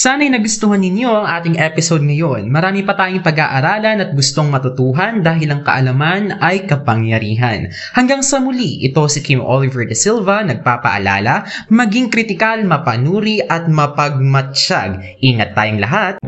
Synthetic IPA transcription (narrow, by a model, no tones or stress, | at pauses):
saːnɐjnɐɡʊst̪ʊhɐnːɪnjo̞ʔɐŋʔaːt̪ɪŋʔɛpɪsod̪̚ŋɐjo̞nmɐɾaːmipɐt̪aːjʊŋpɐɡaʔɐɾaːlɐnɐt̪̚ɡʊst̪o̞ŋmɐt̪ʊt̪uːɦɐnd̪aːɦɪlɐŋkɐ̰ʔɐlɐmanɐjkɐpɐŋjɐɾiːɦɐ̰n | hɐŋɡaŋsɐmʊliʔɪt̪o̞sɪkimʔolɪvɛɹd̪ɐsilvɐnɐɡ̚paːpɐ̰ʔɐ̰la̰ːlɐmɐɡiŋkɾɪt̪ɪkalmɐpɐnuːɾiʔɐt̪̚mɐpɐɡ̚mɐt͡ʃa̰ɡ̚ | ʔiːŋɐt̪ːaːjʊŋlɐ̰ɦat̪̚